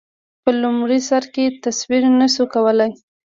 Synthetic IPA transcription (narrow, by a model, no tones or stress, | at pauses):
pəlʊmɽisaɾket̪aswiɾnaʃukawəlaj